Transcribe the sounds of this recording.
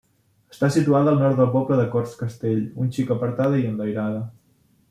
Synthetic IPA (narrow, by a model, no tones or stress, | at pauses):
əst̪asit̪uaðəːlˠnɔɾt̪̚d̪əlˠpɔpləðəkɔrskəst̪eʎunʲt͡ʃikəpəɾt̪aðəiənləjɾaðə